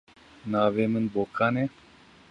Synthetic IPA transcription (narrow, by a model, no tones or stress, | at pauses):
naːʋemɨnboːkane